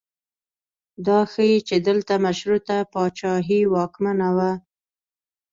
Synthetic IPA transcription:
d̪ɑxəjit͡ʃed̪əlt̪amaʃɾut̪apɑt͡ʃɑɦiwɑkmanawa

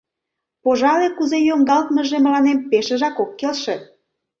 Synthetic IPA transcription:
poʒɑlekuzejoŋɡɑlt̪mə̆ʒeməlɑnempeʃĕʒɑkokːelʃĕ

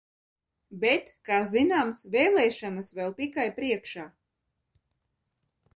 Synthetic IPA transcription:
bɛt̪kaːzinaːmsvɛːlˠɛːʃanasvɛlˠt̪ikajpɾiɛkʃaː

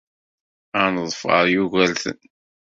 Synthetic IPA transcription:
anəðˤfə̰ɾˤjuɣælθə̰n

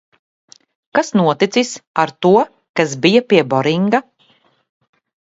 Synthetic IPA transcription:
kasnuɔt̪it̪sisaɾt̪uɔ | kasbijapiɛbɔɾiŋɡa

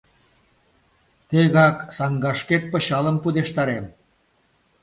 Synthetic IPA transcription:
t̪eɣɑksɑŋɡɑʃket̪̚pə̆ɕɑlə̆mpud̪eʃt̪ɑɾem

